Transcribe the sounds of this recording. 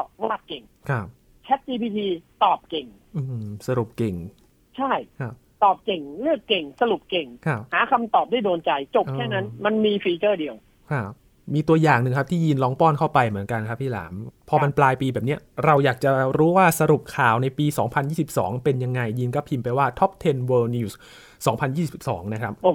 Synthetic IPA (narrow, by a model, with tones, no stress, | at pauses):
ɔ˧˩waː˥˩t̪̚ke˨˩ŋkʰa˦˩p̚ | t͡ɕʰɛ˦˥t̪̚t͡ɕiː˧pʰiː˧t̪ʰiː˧t̪ɔː˨˩p̚ke˨˩ŋ | ʔɯː˧msa˧ɾu˨˩p̚ke˨˩ŋ | t͡ɕʰa˥˩jkʰa˦˥˩p̚t̪ɔː˨˩p̚ke˨˩ŋlɯ˥˩əkːe˨˩ŋsa˧ɾu˨˩p̚ke˨˩ŋkʰa˦˥˩p̚haː˩˦kʰa˧mt̪ɔː˨˩p̚daː˥˩jdoː˧nt͡ɕa˧jt͡ɕo˨˩pʔ̚kːʰɛː˥˩na˦˥nma˧nmiː˧fiː˧t͡ɕɤː˥˩di˧əw | kʰa˦˥˩p̚ | miː˧t̪u˧ɐjaː˨˩ŋnɯ˨˩ŋkʰa˦˥p̚t̪ʰiː˥˩ji˧nlɔː˦˥ŋpɔː˥˩nkʰa˥˩wpa˧jmɯ˩˦ənka˧nkʰa˦˥pʰːiː˥˩la̰ː˩˦mpʰɔː˧ma˧nplaː˧jpiː˧bɛː˨˩p̚ni˦˥ɐɾa˧wjaː˨˩k̚t͡ɕa˨˩ɾuː˦˥waː˥˩sa˧ɾu˨˩p̚kʰaː˨˩wna˧jpiː˧sɔː˩˦ŋpʰa˧njiː˥˩si˨˩p̚sɔ̰ː˩˦ŋpe˧nja˧ŋːa˧jːiː˧nkɔː˥˩pʰi˧mpa˧jwaː˥˩t̪ʰɔ˦˥p̚t̪ʰe˧nwɤː˧ni˧˩s | sɔː˩˦ŋpʰa˧njiː˥˩sp̚sɔ̰ː˩˦ŋna˦˥kʰa˦˥p̚o˧˩